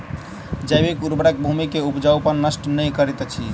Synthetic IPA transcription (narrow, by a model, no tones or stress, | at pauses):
d͡ʒəjbekuɾbɾak̚bʱumikeupd͡ʒawpəɾnəsʈnəjkəɾit̪ɛt͡ʃʰi